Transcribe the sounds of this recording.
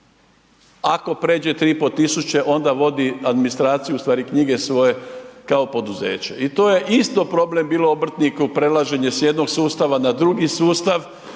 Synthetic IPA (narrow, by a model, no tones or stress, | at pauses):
ako̞pɾe̞ːd͡ʑe̞t̪ɾiːpot̪isut͡ɕe̞ʔo̞nd̪aʋo̞d̪iad̪minist̪ɾaːt̪sijuːst̪ʋaːɾikɲiɡe̞sʋo̞je̞kao̞po̞d̪uze̞̰ːt͡ɕeit̪o̞ːje̞ʔist̪opɾo̞ble̞mbiːlˠo̞obr̩t̪nikupɾelˠaʒe̞ɲe̞sje̞d̪no̞ɡsuːst̪aʋanad̪ɾuɡisuːst̪aʋ